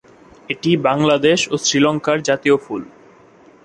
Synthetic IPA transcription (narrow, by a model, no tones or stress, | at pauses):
eʈibaŋlad̪eʃosɾilɔŋkaɾd͡ʑat̪ioful